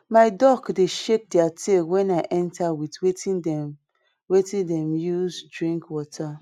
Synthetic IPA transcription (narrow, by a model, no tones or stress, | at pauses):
maɪdɔkdeʃek̚diatʰewɛ̃naɪʔɛ̃ntawitwetĩndɛ̃m | wetĩndɛ̃mjuzdɹĩŋkwɔtʰa